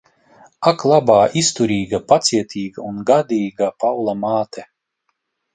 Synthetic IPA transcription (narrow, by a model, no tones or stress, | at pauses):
aklˠabaːist̪uɾiːɡapat̪sʲiɛt̪ʰʲiːɡaunɡad̪iːɡapawlˠamaːt̪ʰɛ